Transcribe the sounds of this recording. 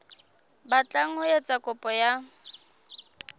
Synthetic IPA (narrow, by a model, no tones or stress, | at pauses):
bat͡ɬʼaŋ̩hʊjet͡sʼakʼʊpʼɔja